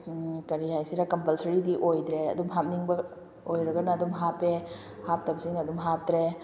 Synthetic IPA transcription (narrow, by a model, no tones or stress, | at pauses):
kɐɾiɦajsiɾɐkɐmpɐlsɐɾidiʔojd̪ɾeɐ̰dumɦap̚niŋbɐ | ojɾɐɡɐnɐːdumɦape | hap̚tɐbsiŋnɐdumɦap̚d̪ɾe